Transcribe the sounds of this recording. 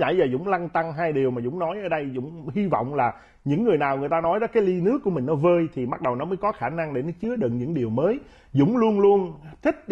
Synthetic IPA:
a̰ː˧˩˦jzəː˨˩zʊ̰˧˥˦ŋ͡mla˧ŋt̪a˧ŋɦaː˧jɗi˨˩əwmaː˨˩zʊ̰˧˥˦ŋ͡mnɔ˨˦jʔəː˧˩ɗə˧jzʊ̰˧˥ŋ͡mhi˧vɔ̰˧˨wŋ͡mlaː˨˩ | ɲɨ̰˧˥ŋːɨ˨˩əjnaː˨˩wŋɨ˨˩əjt̪aː˧nɔ˨˦jɗɔ˨˦kaː˨˦jli˧nɨ˦˥əkːu˧˩əmï˨˩ŋ̟nɔ˨˦vəː˧jt̪ʰi˨˩ma˦˥t̚ɗə˨˩wnɔ˨˦məː˨˦jkɔ˨˦xaː˧˩na˧ŋɗe˧˩nɔ˨˦t͡ɕɨ˨˦əɗɨ̰˧˨nɲɨ̰˧˥ŋɗi˨˩əwməː˨˦j | zʊ̰˧˥ŋ͡mlu˧ənlu˧ənt̪ʰï˦˥k̟̚

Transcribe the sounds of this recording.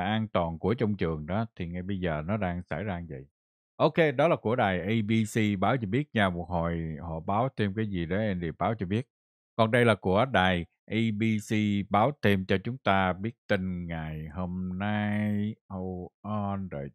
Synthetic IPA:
ʔaː˧nt̪waː˨˩nku˧˩ət͡ɕɔ˧wŋ͡mt͡ɕɨ˨˩əŋɗɔ˨˦t̪ʰi˨˩ŋa˨˩jɓə˧jzəː˨˩nɔ˨˦ɗaː˧ŋsa̰ː˧˩jzaː˧ŋzə̰˧˨j | ʔo˧ke˧ɗɔ˨˦laː˨˩ku˧˩əɗaː˨˩jʔə˧ɓi˧si˧ɓaː˨˦wt͡ɕɔ˧ɓi˦˥ət̚ɲaː˧˩mu˨˩t̚ho˨˩jhɔ̰˧˨˩ɓaː˨˦wt̪ʰe˧mkaː˨˦jzi˨˩ɗə˨˦ɛ˧nlḭ˨˩əɓaː˨˦wt͡ɕɔ˧ɓi˦˥ət̚ | kɔ˨˩nɗə˧jlaː˨˩ku˧˩əɗaː˨˩j | ʔi˧ɓi˧si˧ɓaː˨˦wt̪ʰe˧mt͡ɕɔ˧t͡ɕʊ˨˦ŋ͡mt̪aː˧ɓi˦˥ət̚t̪i˧ŋŋa˨˩jho˧mna˧jjho˧wʔɔ˧nzo̰˨˩j

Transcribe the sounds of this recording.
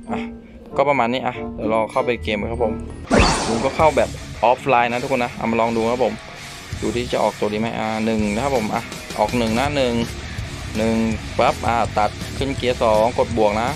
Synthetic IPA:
ʔa˧˩ | kɔː˥˩pa˧maː˧nːiː˧˥˩ʔa˧˩dɯ˨˦wlɔː˧kʰa˥˩wpa˧˩jkeː˧ma˧˦kʰa˦˥pʰo˨˩˦mlu˨˧˦ŋkɔː˧˥˩kʰa˥˩wbɛː˨˩p̚ʔɔː˦˥pʰlaː˧jna˦˥t̪ʰu˦˥kʰːna˦˥ʔa̰˧˩ma˧nlɔː˧ŋduː˧kʰa˧˦˥pʰo˨˩˦m | juː˨˩iː˧˥˩i˧˩t͡ɕa˨˩ʔɔː˨˩kt̪o˨˩diː˧˦ma˦˥jʔaː˧˩nɯ˨˩ŋ˧˦˥kʰa˦˥pʰo˨˩˦mʔa˧˩ʔɔ̰ː˨˩k̚nɯ˨˩ŋna˦˥nɯ˨˩ŋ | nɯ˨˩ŋpa˦˥˩p̚ʔaː˧˩t̪a˨˩t̪̚kʰɯ˧˥˩nki˨˦ɐsɔː˩˦ŋko˨˩t̪̚bu˨˩ək̚na˦˥ʔ

